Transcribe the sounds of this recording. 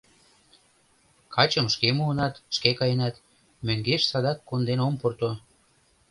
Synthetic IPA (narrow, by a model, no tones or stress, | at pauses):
kʰɑt͡ɕə̆mʃkemuənɑt̪ʃkekɑjenɑt̪ | møŋɡeʃsɑd̪ɑkːond̪enomport̪o